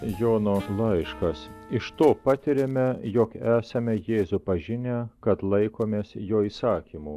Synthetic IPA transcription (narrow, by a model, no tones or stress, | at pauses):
joːnoːlˠɐɪʃkɐsɪʃt̪oːpɑt̪ʲɪɾʲemʲɛjɔkæːsɐmʲɛjeːzupɐʒʲɪnʲækɐt̪lˠɐɪkoːmʲeːsjoːiːsɑːkʲimuː